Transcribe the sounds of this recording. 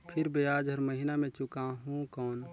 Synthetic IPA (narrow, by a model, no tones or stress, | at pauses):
pʰɪɾbeaːd͡ʒɦəɾməɦɪnamẽt͡ʃʊkaɦũkɔːn